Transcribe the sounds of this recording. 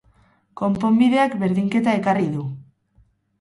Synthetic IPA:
ko̞mpo̞mbiðe̞akbe̞ɾðiŋke̞t̪ae̞kariðu

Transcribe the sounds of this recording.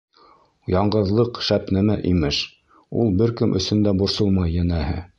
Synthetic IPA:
jɑɴɢɤ̆ðlˠɤqʃæpnæmæʔimɘʃ | ṵlˠbɘɾkɘmʔɵ̆sɵ̆nd̪æbŏɾsɤlˠmɑjːænæhɘ

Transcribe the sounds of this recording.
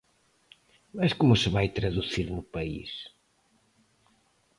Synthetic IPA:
mɐʃkomʊsɨβajt̪ɾɐðuθiɾnʊpɐḭʃ

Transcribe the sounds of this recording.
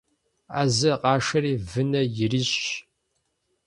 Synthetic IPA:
a̰ːzɐqɑːʂɐɾiːvɨnɐjɪɾiɕ

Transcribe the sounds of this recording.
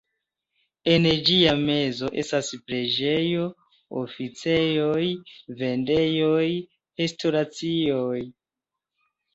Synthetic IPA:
end͡ʒiame̞zo̞ʔe̞staspɾe̞d͡ʒe̞jo̞ | o̰fit͡se̞jojve̞nde̞joj | he̞sto̞ɾat͡sioj

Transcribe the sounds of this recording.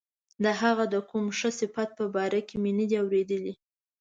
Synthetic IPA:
d̪əɦaɣad̪əkumʂəsɪfat̪̚pəbɑɾakemenəd̪iawɾed̪əli

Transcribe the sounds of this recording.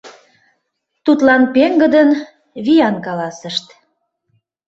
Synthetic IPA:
t̪ut̪lɑnpeŋɡə̆d̪ən | βijɑnkɑlɑsəʃt̪

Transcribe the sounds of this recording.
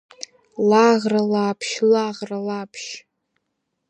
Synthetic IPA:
laʁralapʰʃlaʁralapʰʃ

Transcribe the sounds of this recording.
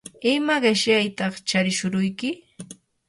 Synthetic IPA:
ɪmaɢeʃjajt̪ɑχt͡ʃaɾɪʃʊɾʊjkɪ

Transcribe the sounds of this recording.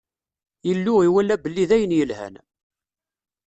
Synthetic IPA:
jəlːʊʁiwælːæbəlːiðæjənjəlhæ̰n

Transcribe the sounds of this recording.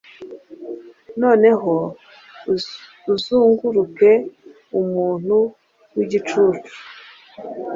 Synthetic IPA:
no̞ːne̞ɦo | uzuːŋɡuɾuke̞ | umuːn̥hu | wiɟit͡ʃuːt͡ʃu̥

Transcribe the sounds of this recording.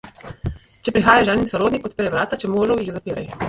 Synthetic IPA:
t͡ʃɛpɾixaːjaʒɛːninsɔɾoːd̪nikɔt̪̚pɛɾɛʋɾaːt̪sat͡ʃɛmoːʒɛwjiɣzapiːɾaj

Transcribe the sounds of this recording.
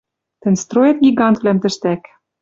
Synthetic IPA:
t̪ɘ̆nʲst̪rojet̪̚ɡʲiɡɑnt̪vlæmt̪ɘ̆ʃt̪æk

